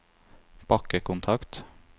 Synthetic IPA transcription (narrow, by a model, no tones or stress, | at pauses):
b̥ʰɑkəkʊnt̪ʰɑkt̪